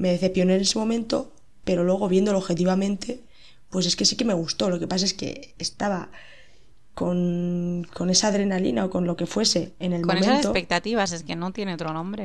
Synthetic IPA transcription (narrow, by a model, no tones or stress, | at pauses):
me̞ðeθe̞pjo̞ne̞ne̞semõ̞mẽnt̪o̞̰ | pe̞ɾo̞lwe̞ɣ̞o̞βje̞nd̪oloxe̞t̪̬iβamẽ̞nt̪e̞ | pwe̞se̞ske̞sike̞me̞ɣ̞ust̪o̞lo̞ke̞pas̬ae̞ske̞̰ːst̪aβa | ko̞nko̞ne̞saðɾe̞nalḭnao̞ko̞nlo̞ke̞fwe̞se̞ːne̞lmoñemẽsanset̪sopek̚t̪at̪iβas̬eskenot̪je̞neot̪ɾonõmbɾe